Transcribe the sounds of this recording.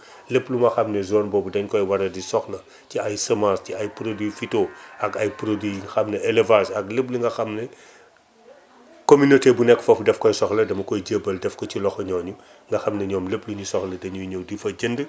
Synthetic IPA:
lepːlumɐxɐmnɛzɔːnbɔːbudɐɲkɔjwɐɾɐdisɔxlɐ | ciɐjsɐmasciɐjpɾodwifitoːɐkɐjpɾodwixɐmnɛʔɛlevasɐklep̬liŋɡɐxɐmnɛ | kominotebunɛkːfɐfdɛfkɔjsɔxlɐdɐmɐkɔjɟəːbɐldɛfkɔcilɔxɔɲɔːɲu | ŋɡɐxɐmnɐɲɔːmlepːluɲusɔxlɐdɐɲujɲowdifɐɟəndə

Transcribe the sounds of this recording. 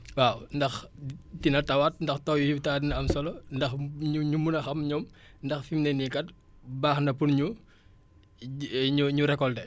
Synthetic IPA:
wawndɐxtinɐtɐwat̚ndɐxtɔːjujutaːdinɐɐmsɔlɔndɐxɲuɲumunɐxɐmɲɔm | ndɐxfimnɛnikɐt̚ | baːxnɐpunɲu | ɲuɲuɾɛkːɔldɛ

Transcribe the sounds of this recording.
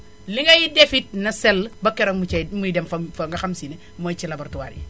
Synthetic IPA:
liŋɡɐjidefit̚nɐsɛlbɐkːɛɾɔŋmut͡ʃɐjmudɛmfɐfɐŋɡɐxamsine | mɔjt͡ʃilɐbɐɾtuwa̰ːɾi

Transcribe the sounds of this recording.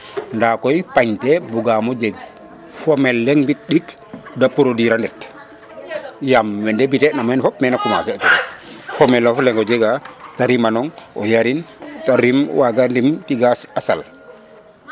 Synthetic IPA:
ndakɔjpaɲtɛbuɡamɔd͡ʒɛɡ̚ | fɔmɛlːɛŋbit̚ɗik | dapuɾodiɾandɛt | jamwɛndebitɛnamɛnfɔp̚mɛnakuma̰sɛtufɔmɛlːɔflɛŋɡɔd͡ʒeɡataɾimanɔŋɔ̰jaɾintaɾimwaɡandimtiɡaasa̰l

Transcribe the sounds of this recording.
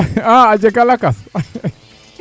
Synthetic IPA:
aad͡ʑekalakas

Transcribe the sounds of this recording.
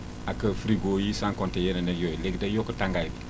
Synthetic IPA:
akəfɾiɡojisaŋkontejeneneɡjojleɡdajokətaŋɡajbi

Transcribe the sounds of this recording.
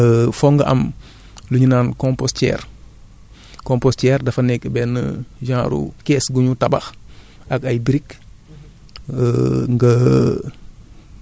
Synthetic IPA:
əfɔŋɡɐʔɐ̰m | luɲinaːnkɔ̃mpostɛ̰ːɾ | kõmpostɛːrdɐfɐnɛkbɛnə̰ʒãːɾṵkɛːsɡuɲutɐbɐ̰x | ɐkɐjbiɾik | ŋɡə

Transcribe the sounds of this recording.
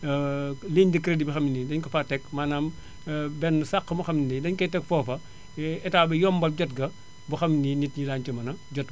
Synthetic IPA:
leɲdikɾedibixɐmːinidɐɲkɐfatɛkmaːnaːm | bɛnːsaqːɐmɐxɐmninidɐɲkɐtɛkfɔːfɐ | ɛtaːbɐjɔmbɐlɟɐtɡɐ | buxɐmninitɲilaːɲt͡ʃɐmɐnɐɟɔt̚

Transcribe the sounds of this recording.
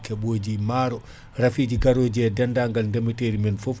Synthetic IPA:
kɛbod͡ʒimaɾɔ | ɾafid͡ʒiɡaɾod͡ʒɛdɛndaːŋɡalndeməteɾimɛnfof

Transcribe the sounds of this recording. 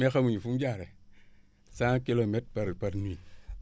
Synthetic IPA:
mekamuɲifumd͡ʒaɾe | saŋkilometpaɾpaɾni

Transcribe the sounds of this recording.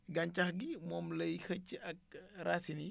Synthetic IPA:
ɡɐɲcɐxɡimɔːmlɐjxɐcːiɐk̚rasini

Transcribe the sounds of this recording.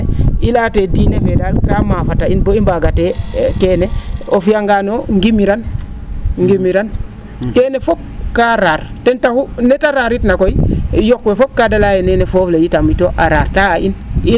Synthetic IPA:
ilatedinefedalkamafatainboimbaɡatekeːneofijaŋɡanoŋɡimiɾan | ŋɡimiɾan | keːnefob̚kaɾaɾtentahunetaɾaɾitnakoijokwefob̚kadalajenenefoːflejitamitoʔaɾaːɾtaʔini

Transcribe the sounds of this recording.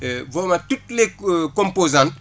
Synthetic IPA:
voːmatutlekõmpozãnt

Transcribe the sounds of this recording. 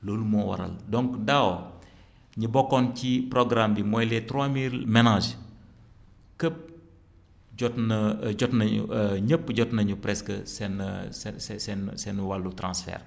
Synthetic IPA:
loːlumɔwɐ̰ɾɐ̰ldɔŋkdaw | ɲəbɔkːɔnciprɔɡɾambimɔjlɛtɾamiːɾmɛnad͡ʒ | kəp̚ | ɟɔtnɐɟɔtnɐɲṵɲəpːɟɔtnɐɲupɾɛskəsɛnɐsɛsɛsɛnsɛnuwalːutɾã̰nsfɛ̰ːr

